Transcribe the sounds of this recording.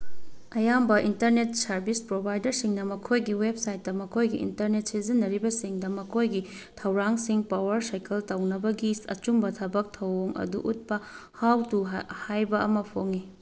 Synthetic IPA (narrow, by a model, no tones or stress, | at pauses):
ɐjambɐʔintɐɾnet̚sɐɾbispɾobʱajdɐɾsiŋnɐmɐkʰojɡiweb̚sajt̚ːɐmɐkʰojɡiḭntɐɾnet̚sizinːɐɾibɐsiŋdɐmɐkʰojɡi | tʰɐwɾaŋsiŋpawɐɾsajkɐltɐwnɐbɐɡisɐ̰t͡ʃumbɐtʰɐbɐk̚tʰɐwoŋɐ̰dṵʔut̚pɐ | hawtuhajbɐɐmɐpʰoŋi